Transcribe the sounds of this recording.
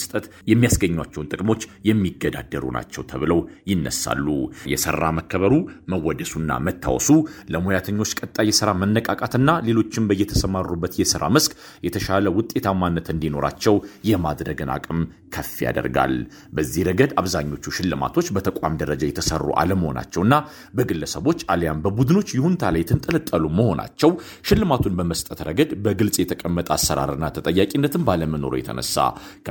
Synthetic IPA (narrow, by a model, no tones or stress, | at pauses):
st̪ʼət̪ | jɛmːijasɡəɲːwat͡ʃːɛwnt̪ʼɨkʼmo̞t͡ʃːjɛmːiɡəd̪a̰d̪ːəɾṵnʔa̰t͡ʃːɛwt̪ʰəβɨləwjɪnːə̰sa̰lːṵjɛsə̰rːaməkʰːəβəɾuməwːɔd̪əsunːa̰mət̪ʰːa̰wɔsuləmojat̪ʰəɲːo̞t͡ʃːkʼət̪ʼːajɛsɨɾamənːəkʼakʼat̪ɨnːale̞lo̞t͡ʃːɪmbəjːɛt̪ʰəsəmarːubːət̪jɛsɨɾa̰mɨskʼ | jɛt̪ʰəʃaləwʊt̪ʼːe̞t̪ʰamanːət̪ɨnd̪ino̞ɾa̰t͡ʃːɛwjɛmad̪ɾəɡɨnʔa̰kʼɨm | kʰəfija̰d̪ə̰ɾɡa̰l | bəzːihɾəɡəd̪aβzaɲːo̞t͡ʃːuʃɪlːɨma̰t̪ʰo̞t͡ʃːbət̪ʰəkʼamd̪əɾəd͡ʒajɛt̪ʰəsərːṵʔa̰ləmːəho̞̰na̰t͡ʃːɛwɨnːa | bəɡɨlːəsəβo̞t͡ʃːaljambəbud̪ɨno̞t͡ʃːjɪhunt̪ʰalajt̪ʰɨnt̪ʼəlɨt̪ʼːəluməho̞nʔa̰t͡ʃːɛw | ʃɪlːɨmat̪ʰunbəməst̪ʼət̪ɾəɡəd̪bəɡɨlsʼjɛt̪ʰəkʼəmːət̪ʼasːəɾa̰ɾɨnːat̪ʰət̪ʼəjːakʼinːət̪ʰɨmbaləməno̞̰ɾujɛ̰t̪ʰə̰nə̰sːa̰